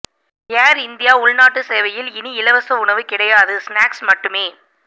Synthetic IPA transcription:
aːɾɪnd̪ɪjaːʊɭnaːʈːɯseːʋɐjɪlɪniɪlɐʋɐsɐʊɳɐʋɯkɪɽɐjaːðɯsnaːksmɐʈːɯmeː

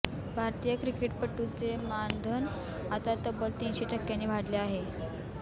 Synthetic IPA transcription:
bʱaɾt̪ijəkɾikeʈpəʈːut͡semand̪ʱən | at̪at̪əbəlt̪inɕeʈʰəkːjanːiːbʱaɽleaɦe

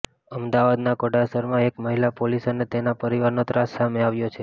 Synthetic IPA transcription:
əmd̪aʋad̪nakoɖasəɾmãekməɦilapolisənet̪enapəɾiʋaɾnot̪ɾasːameaʋjot͡ʃʰe

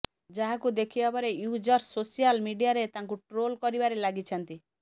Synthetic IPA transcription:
d͡ʒaɦakud̪ekʰibapɔɾejud͡ʒɔɾsosijalmiɖijaɾet̪aŋkuʈɾolkɔɾibaɾelaɡit͡ʃʰɔnt̪i

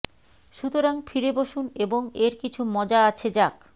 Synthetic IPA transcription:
ʃut̪oɾaŋfʰiɾeboʃuneboŋeɾkit͡ɕʰumɔd͡ʑaat͡ɕʰed͡ʑak

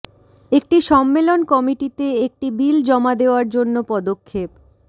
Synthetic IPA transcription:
ek̚ʈiʃɔmːelonkɔmiʈit̪eek̚ʈibild͡ʑɔmad̪eoaɾd͡ʑonːopɔd̪okʰːep̚

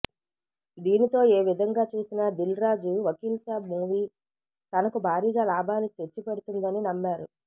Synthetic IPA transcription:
d̪iːnit̪o̞ːeːʋid̪ʱɐŋɡaːt͡ʃuːsinɐd̪ilɾaːd͡ʒuʋɐkiːlsaːbmuːʋiː | t̪ɐnɐkubʱaːɾiːɡaːlaːbaːnit̪et͡ʃːipeɽut̪und̪ɐninɐmːaːɾu

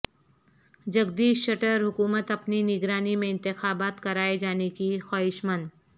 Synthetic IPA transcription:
d͡ʒɐɡd̪iːʃʃɐʈəɾɦʊkuːmət̪ɐpninɪɡɾaːnimẽɪ̃nt̪ɪxaːbaːt̪kɐɾaːed͡ʒaːnekixaːɦɪʃmən

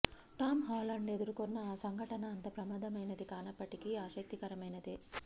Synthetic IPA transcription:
ʈaːmɦaːlɐɳɖe̞d̪uɾukonːɐːsɐŋɡʱɐʈɐnɐːnt̪ɐpɾɐmaːd̪ʱɐmɐjnɐd̪ikaːnɐpːɐʈikiaːʃɐk̚t̪ikɐɾɐmɐjnɐd̪i

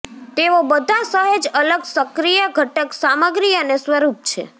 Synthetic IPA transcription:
t̪eʋobəd̪ʱasəɦed͡ʒələɡsəkɾijəɡʱəʈəksaməɡɾiənesʋəɾup̚t͡ʃʰḛ

